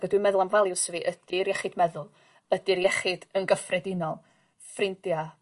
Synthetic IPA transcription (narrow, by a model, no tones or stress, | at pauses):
ɡədwɨmɛðʊlˠanvalˠjʊwsəviʔəd̥ɪɾjɛχɨd̥mɛðʊlˠ | ədiɾjɛχɨd̥ənɡəfrɛdɪnɔlˠ | frɪndja